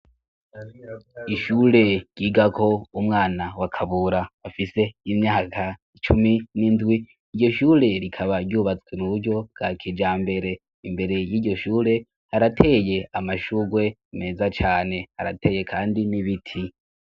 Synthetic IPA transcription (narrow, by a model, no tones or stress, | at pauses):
iʃuːɾe̞ɟ̥iːɡakʰo̞umŋaːnawakʰaβuɾaːfise̞imɲaːkʰait͡ʃuminindɡwiː | ɾɟo̞ʃuːɾe̞ɾikʰaβaɾɟuːβat͡swenuβuɾɟo̞ɡ̥akʰid͡ʒaːmbe̞ɾe̞ | imbe̞ɾe̞jiːɟo̞ʃuːɾe̞ | haɾatʰe̞ːje̞amaʃuɡwe̞me̞ːzat͡ʃaːne̞haɾatʰe̞ːje̞kʰaːndiniβitʰi